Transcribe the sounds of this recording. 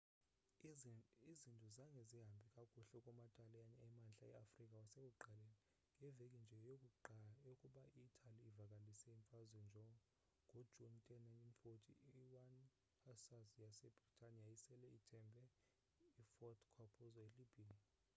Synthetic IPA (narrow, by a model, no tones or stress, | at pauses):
izintʼuzaŋɡʱɛziɦambʱikʼakʼuɬɛkʼɔmatʼalɛaɲɛɛmanɬaɛ̰afrikʼawasek̬ʼuɡ͡ǃʱalɛ | ŋɡʱɛvekʼind͡ʒʱɛjokʼjokʼuɓaiːtʰʼaliːvakʼalisɛiɱfazwɛnd͡ʒʱɔ | ŋɡʱo̥d͡ʒʱuntʰʼɛnajntʼinfotʰʼiiwan | hasazjasɛb̥ritʰʼanijajisɛlɛitʰɛmbʱɛ | ifɔtkʰɔpʰʼɔzɔelibʱia